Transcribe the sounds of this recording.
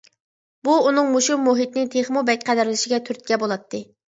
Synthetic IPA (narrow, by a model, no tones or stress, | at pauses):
buunɨŋmuʃumːuɦit̪nɪt̪ʰeχmubɛk̚ʲqʰæd̪ɪɾlɪʃɪɡʲɛt̪ʰyɾt̪̚kʲɛbolˠɑt̪ʰːɨ